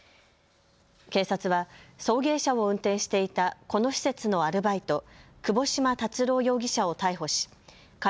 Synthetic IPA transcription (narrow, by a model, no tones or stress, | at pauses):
ke̞ːsat͡sɨβaso̞ːɡe̞ːɕao̞ɯ̟̃nt̪ẽ̞ɰ̃ɕi̥t̪e̞it̪ako̞no̞ɕi̥se̞t͡sɨno̞aɾɯ̟bait̪o̞ | kɯ̟bo̞ɕimat̪at͡sɨɾo̞ːjo̞ːɡʲiɕao̞t̪aiɦo̞ɕi̥ | k